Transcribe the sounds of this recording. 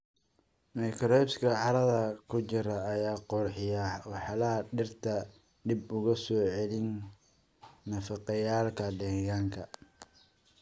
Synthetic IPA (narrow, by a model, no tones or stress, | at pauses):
mɐjkʰɾɔpskʰɐʕɑɾɐðɐkʰʊt͡ʃɪɾɐːjaːqʊrħɪjɐwɑħɑlɐɦɐɖɪrt̪ʰɐ | dɪbʊɣɐsɔːʕɛlɪn | ɐfɑqɑjaːlkʰɐdɛːɣaːŋkʰɐ